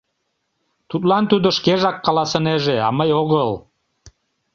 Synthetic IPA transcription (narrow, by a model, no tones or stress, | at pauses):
t̪ut̪lɑnt̪ud̪oʃkeʒɑkːɑlɑsəneʒeɑ̰məjoɣəl